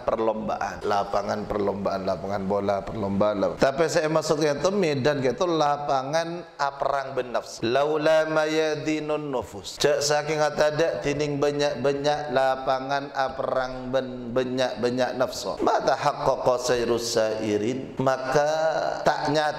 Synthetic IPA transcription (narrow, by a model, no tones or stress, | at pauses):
pərlɔmba̰ʔa̰nlapaŋanpərlɔmbaʔanlapaŋanbolapərlɔmbaʔanla̰a̰t̪apisajamasʊt̪̚kat̪əmɪdankɛt̪ɔlapaŋan | ʔapəɾaŋbənːafsɔ̥lawlamajad̪inʊnːufʊst͡ʃaʔsakɪŋat̪adaʔt̪inɪŋbəɲaʔbəɲaʔlapaŋanapəɾaŋbən | bəɲaʔbəɲaʔnafsɔ̰mat̪ahakːɔkːɔsajɾusaiɾɪn | makat̪a̰ʔɲat̪